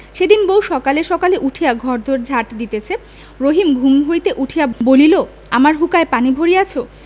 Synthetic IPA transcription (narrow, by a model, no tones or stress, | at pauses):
ʃed̪inbowʃɔkaleʃɔkaleʔuʈʰiaɡʱɔɾd̪ʱoɾd͡ʑʱaʈd̪it̪et͡ɕʰe | ɾoɦimɡʱumɦojt̪eʔuʈʰijabolilo | amaɾɦukaepanibʱoɾijat͡ɕʰo